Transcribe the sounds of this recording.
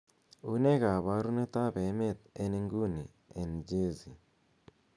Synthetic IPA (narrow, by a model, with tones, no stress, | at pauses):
u˦ne˦ka˨βa˦ɾu˦ne˦t̪a˦be˨˦me˦t̪̚e˦ne˦ŋɡu˦ni˨ | e˨nd͡ʒe˦zi˨